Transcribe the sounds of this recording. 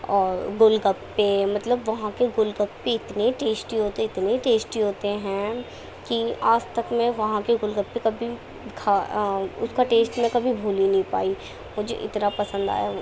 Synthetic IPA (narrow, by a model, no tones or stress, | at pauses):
ɔːɾɡʊlɡəpːemɐt̪ləbʋɐɦãkeɡʊlɡəpːeɪt̪neʈeːsʈiɦoːt̪eɪt̪neʈeːsʈiɦoːt̪eɦɛ̃ː | kiaːst̪ɐkmẽʋɐɦãkeɡʊlɡəpːekɐbʱi | kʰaːʊ̰skaʈeːsʈmẽkɐbʱibʱuːlinɐɦĩpa̰ːi | mʊd͡ʒʱḛʔɪ̰t̪napɐsə̃nd̪a̰ːja